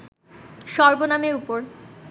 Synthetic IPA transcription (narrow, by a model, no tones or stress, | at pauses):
ʃɔɾbonameɾupoɾ